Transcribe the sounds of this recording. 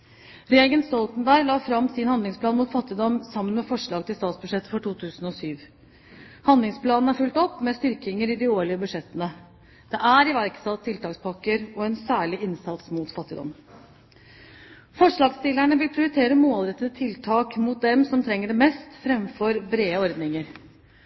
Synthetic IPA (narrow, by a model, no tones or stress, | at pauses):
ɾɛːɡənst̪ɔlt̪nbæːɾlɑːfɾɑmːsɪnhɑnd̪ɪŋspʰlɑːnmʊːt̪fɑt̪ːɪd̪ɔmsɑmːənmɛfɔʂɭɑːɡt̪ɪlst̪ɑːt̪sbʉʂɛt̪ːəfɔʈuːt̪ʰʉːsn̩ɔsyːʋ | hɑnd̪lɪŋspʰlɑːnn̩æɾfʉlt̪ɔpːmɛst̪ʏɾkɪŋəɾɪd̪ɪoːɭɪəbʉʂɛt̪ːənə | d̪̥ɛʔæɾɪʋæɾksɑlt̪ʰːɪlt̪ɑːkspʰɑkːəɾɔɛnsæːɭɪʔɪnsɑt̪smut̪fɑt̪ːɪd̪ɔ̰m | fɔʂɭɑːɡst̪ɪlːæɳəʋɪlpʰɾɪʊɾɪt̪ʰeːɾəmoːlɾɛt̪ːəd̪ət̪ʰɪlt̪ʰɑːkmʊt̪̚d̪ɛmsɔmt̪ʰɾɛŋːəɖɛmɛst̪fɾɛmfɔɾbɾeːəɔɾd̪nɪŋəɾ